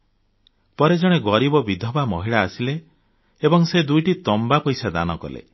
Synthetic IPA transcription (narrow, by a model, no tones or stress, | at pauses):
pɔɾed͡ʒɔɽ̃eɡɔɾibɔbid̪ʱɔbamɔɦiɭaːsileː | bɔŋsed̪ujʈit̪ɔmbapɔjsad̪a̰nɔkɔ̰lḛ